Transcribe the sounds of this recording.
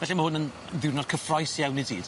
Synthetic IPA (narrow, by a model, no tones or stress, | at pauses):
vɛɬɛməhʊnən | ðɪnɔd̥̚kʰəfrɔjsjawnidḭːd̥